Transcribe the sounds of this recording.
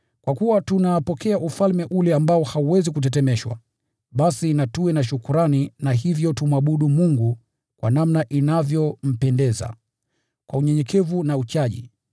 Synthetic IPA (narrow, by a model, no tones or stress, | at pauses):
kwakuwatunapɔkɛaʔufalmɛʔulɛambaɔhauwɛzikut̬ɛtɛmɛʃwa̰ | ɓasinatuwɛnaʃukuɾaninaɦivjɔtum̩aɓuɗumuŋɡu | kwʔa̰namnaʔinavjɔm̩pɛndɛza̰ | kwauɲɛɲɛkʰɛvunaut͡ʃaʄḭ